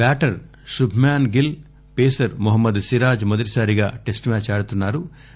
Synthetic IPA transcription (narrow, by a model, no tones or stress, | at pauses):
baːʈɐɾ | ʃubʱmaːnɡil | peːsɐɾmuɦɐmːɐd̪siɾaːd͡ʒmod̪ɐʈi̥saːɾiɡaːʈe̞sʈmaːt͡ʃaːɽut̪unːaːɾu